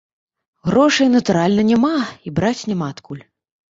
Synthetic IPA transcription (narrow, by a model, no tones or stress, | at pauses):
ɣɾɔʂɐjnɐt̪uɾalʲnɐnʲɛmaibɾat͡sʲnʲɛmaːt̪kʰulʲ